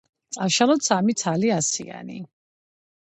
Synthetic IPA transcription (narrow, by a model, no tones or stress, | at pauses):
t̪sʼaʃalɔt̪sʰamit̪sʰaliasḭa̰nḭ